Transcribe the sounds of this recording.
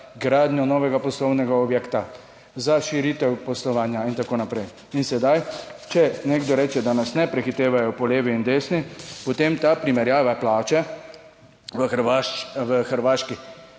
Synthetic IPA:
ɡɾaːd̪njɔnɔːʋɛɡapɔslɔwnɛɡaɔbjɛkt̪a | zaʃiɾit̪ɛwpɔslɔʋaːnjaint̪akoːnapɾɛj | insɛd̪ajt͡ʃɛneːɡd̪ɔɾɛːt͡ʃɛd̪anasnɛpɾɛxit̪eːʋajɔpɔleːʋiːnd̪eːsnipɔt̪eːmt̪apɾimɛɾjaːʋaplaːt͡ʃɛ | ʋə | ʋəxəɾʋaːʃki

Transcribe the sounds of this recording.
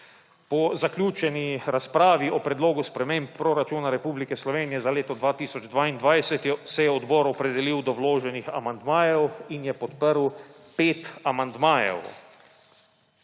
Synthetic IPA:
pɔzaklʲjuːt͡ʃɛniɾaspɾaːʋiʔɔpɾɛd̪loːɡuspɾɛmempːɾoɾat͡ʃuːnaɾɛpuːblikɛslɔʋeːnijɛzaleːt̪ɔd̪ʋaːt̪iːsɔd͡ʒd̪ʋaːind̪ʋajsɛt̪jɔsɛjɛɔd̪bɔɾɔpɾɛd̪ɛliwd̪ɔwloːʒɛnixa̰mand̪maːjɛwinjɛpɔt̪pəɾw | peːt̪amand̪maːjɛ̰w

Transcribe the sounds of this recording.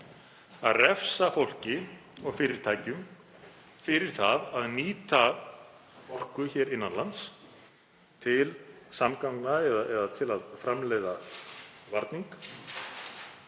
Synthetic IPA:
aðrɛfsafowl̥cɪɔɣfɪɾɪɾ̥t̪ʰaːjcʏm | fɪɾɪɾ̥θaðaðniːt̪a | fowl̥kʏçɛːɾɪnːanlans | t̪ʰɪlsamkawknaɛðaɛðat̪ʰɪlaðfɾamlɛjða | vaɾt̪niŋk

